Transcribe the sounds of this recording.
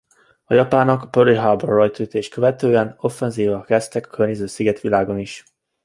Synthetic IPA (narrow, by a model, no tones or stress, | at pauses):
ɒjɒpaːnːɒkpøɾiɦabɛrɒjt̪yːt̪eːʃkøvɛt̪øːɛno̞fːɛnziːvɒkɛst̪ɛkɒ̥kørɲezøːsiɡɛt̪ʋilaːɡo̞niʃ